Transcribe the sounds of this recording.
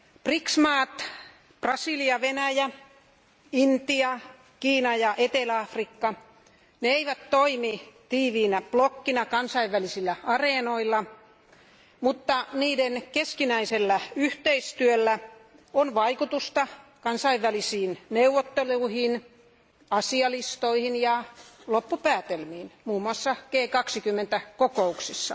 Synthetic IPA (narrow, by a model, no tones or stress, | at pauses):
priksmɑːt̪ | prɑsiliɑʋenæjæ | int̪iɑ | kiːnɑjɑʔet̪elæɑfrikːɑ | neeiʋæt̪toimit̪iːʋiːnæplokːinɑkɑnsɑiʋʋælisilːæɑreˑnoilːɑ | mut̪ːɑniːdenkeskinæiselːæyht̪eist̪yølːæ | onʋɑikut̪ust̪ɑkɑnsɑiʋʋælisiːnneuʋːot̪ːeluihin | ɑsiɑlist̪oihinjɑlopːupæːt̪elmiːnmuːmːuɑsːɑɡ̥eːkɑksikymːent̪ækokouksisːɑ